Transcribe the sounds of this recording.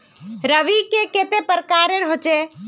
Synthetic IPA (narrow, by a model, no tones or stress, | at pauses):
ɾəʋikeket̪epəɾkaɾeɾɦot͡ʃe